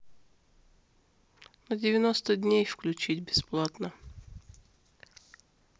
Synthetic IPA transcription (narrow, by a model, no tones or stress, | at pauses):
nədʲɪvʲɪnost̪ədʲnʲejfklʲʉt͡ɕitʲbʲɪsplˠat̪nə